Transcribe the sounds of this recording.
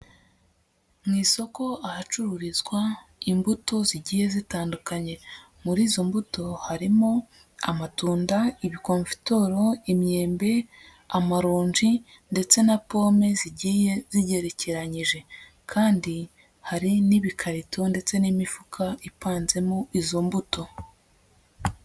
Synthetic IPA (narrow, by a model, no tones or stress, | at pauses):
mŋiːso̞ko̞ahat͡ʃuɾuɾizɡwaimbuto̞ziɟiːje̞zitaːndukaɲe̞ | muɾiːzo̞mbuto̞haɾimo | amatuːndaiβiko̞ɱfi̥to̞ɾo̞imɲe̞ːmbe̞ | amaɾuːɲʒi | nde̞t͡se̞napo̞ːme̞ziɟiːje̞ziɟe̞ɾe̞ceɾaɲiʒe̞ | kʰaːndi | haɾiniβikʰaɾitʰo̞nde̞t͡se̞nimifukʰaipaːnze̞moizo̞mbuto̞